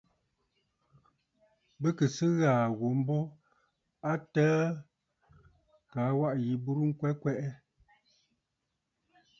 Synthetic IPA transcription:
bə˦kə˨sɨ˦ɣaː˨ɣo˨m̩˦bɔ˦ | a˦təː˦ | kaː˨˦wa˦ʔji˨bu˦ɾu˦ŋ̩˦kwɛ˦kwɛ˦ʔɛ˦

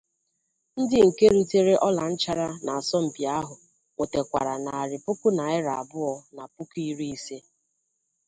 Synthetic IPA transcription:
n̩˦dɪ˦ŋ̩˨ke˦ɾu˦te˦ɾe˦ʔɔ˦la˨n̩˦t͡ʃa˦ɾa˦na˨a˨sɔ˦m̩˨bi˨a˦ɦʊ˨ | ŋʷo˨te˨kʷa̰˨ɾa˨na˨a˨ɾɪ˨pʊ˦kʊ˦na˨ɪ˦ɾa˨a̰˨bʊ˦ɔ˨na˨pʊ˦ki˦ɾi˦i˦se˦

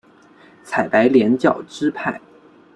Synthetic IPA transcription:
t͡sʰa˨˩ɪpa˧˥ɪljɛ˧˥nt͡ɕjɑ˥˨˩ʊʈ͡ʂɻ̩˥pʰa˥˩ɪ

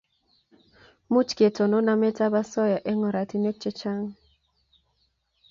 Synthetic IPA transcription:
mu˦t͡ʃke˨tɔ˨nɔ˦na˦mɛ˦ta˦ba˦sɔ˦ja˨ʔɛ˦ŋɔ˨ɾa˨ti˨˦ne˦k̚t͡ʃɛ˦t͡ʃa˦ŋ

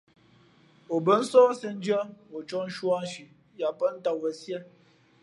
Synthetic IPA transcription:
o˨bə˨˦n̩˦sɔː˦sə˦n̩˦d͡ʒə˦wo˨t͡ʃɔ˦n̩˦ʃwa˦n̩˦ʃi˨ | ja˨pə˦n̩˦ta˨wə˨sjɛ˦

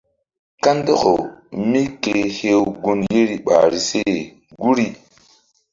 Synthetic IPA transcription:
ka˦ndo˦ko˨mi˦ke˨he˦wɡu˦nje˦ɾi˨ɓa̰˨ɾi˨se˦˨ | ɡu˦ɾi˦

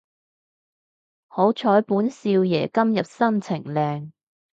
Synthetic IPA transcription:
ho˨˥wt͡ʃʰɔː˨˥jpuː˨˥nsiː˧wjɛ̰ː˨˩kɐ˥mjɐ˨p̚sɐ˥nt͡sʰɪ˨˩ŋlɛː˨˧ŋ

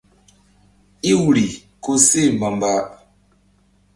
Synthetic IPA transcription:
i˦wɾi˨ | ko˦se˦˨ma˨mba˦

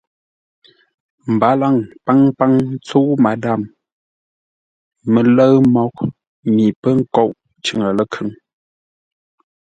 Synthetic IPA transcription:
m̩˨ba˨˦la˦˨ŋpa˦ŋpa˦ŋ˦t͡so˦ʔma˨˦da˦˨m | mə˨lə˦ɰmɔ˨k̚ | mi˨pə˦ŋ̩˦ko˦˨ʔ | t͡ʃʉ˨ŋə˨lə˦kʰʉ˨˦ŋ

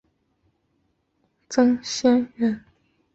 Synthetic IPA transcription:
t͡sɤ˥ŋɕjɛ˥nɻə˥˩˨n

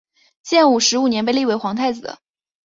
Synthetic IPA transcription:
ɕjɛ˥˧nu˨˩ʂɻ̩˧˥u˨˩njɛ˧˥npe˥˧ɪli˥˩we˧˥ɪxwɑ˧˥ŋt̪ʰa˥˩ɪd͡zɹ̩˨˩d̪ə̰˩˦

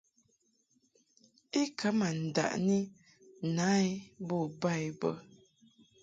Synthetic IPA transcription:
i˦kʰa˨˦ma˨n̩˨da̰˨ʔni˦ | na˨˦i˦bɔ˦˨ba˦˨jbə˨

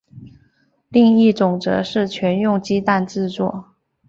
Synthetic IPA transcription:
li˥˧ŋi˥˩t͡sʊ˨˩ŋʈ͡ʂɤ̰˧˥ʂɻ̩˥˩t͡ɕʰɥɛ˧˥njʊ˥˧ŋt͡ɕi˥t̪a˥˧nʈ͡ʂɻ̩˥˧t͡swɔ̰˥˩

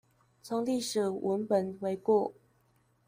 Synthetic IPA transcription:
t͡sʰo˧˦ŋli˥˩ʂɻ̩˨˩wʔə˧˦npə˨nwe˧˦ɪkwɔ˥˩˨

